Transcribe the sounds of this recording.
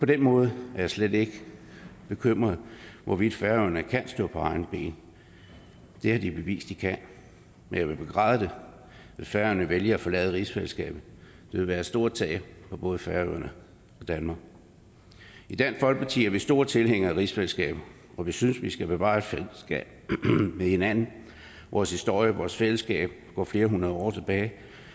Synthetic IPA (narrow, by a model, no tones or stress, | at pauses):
pʰɒ̽d̥enmɔ̽ːð̞ˠæɐjɑ̈ɪsled̥e̝ɡ̥əb̥e̝kʰøm̰ʁɐð̩ˠʋɒʋid̥fæɐøðɐnəkʰæn̰sd̥ɔ̰ːpʰɒ̽ɑ̈ɪn̩b̥e̝̰ːn | d̥e̝hɑ̈d̥ib̥e̝ʋḭːsd̥ikʰæn | menjɑɪʋe̝b̥e̝ɡ̥ʁɑ̰̈ːð̞ˠəd̥e̝ | ʋe̝fæɐøɐnəʋeljəæfɒ̽lɛ̰ːð̩ˠəʁisfelsɡ̥ɛ̰ːb̥̩ˠ | d̥e̝ʋe̝lʋæːɐsd̥o̝ːɐt͡sʰɛ̰ːɪɐpʰɒ̽b̥ɔ̽ːð̞̩ˠəfæɐøð̰ˠɐnə | ɒ̽d̥ænmɑ̈ːɡ̥ | id̥æn̥fɒ̽lɡ̥̚pʰɑ̈t͡sʰḭːɐʋesd̥o̝ːɐt͡sʰe̝lɦeŋ̰ɐæʁisfelsɡ̥ɛ̰ːb̥ | ʔɒ̽ʋisynsʋisɡ̥æb̥e̝ʋɑ̰̈ːed̥fesɡ̥ɛ̰ːb̥̚mehe̝næn̰n̩ | ʋʔɒːshisd̥o̝ɐ̰jəʋɒ̰ːsfel̰əsɡ̥ɛ̰ːb̥̚ | ɡ̥ɒ̰ːfle̝ːɐɦunʁɐð̞ˠɒ̰ːt͡sʰe̝b̥ɛːɪ